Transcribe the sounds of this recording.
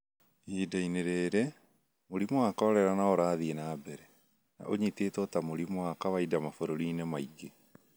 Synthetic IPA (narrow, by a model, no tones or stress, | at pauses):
iːdaineɾeːɾɛ | moɾimoakaɔɾɛɾanaɔɾaːðienaːbɛɾɛ | na̰ʔoɲiteːtɔtamoɾimoakaβaidamafoɾoɾiːnɛmaiɡe